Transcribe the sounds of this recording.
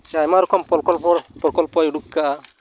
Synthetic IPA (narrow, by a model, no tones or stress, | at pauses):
t͡ʃajmaɾɔkɔmpɔkɔlpɔpɾɔkɔlpɔjuɽukkaʔa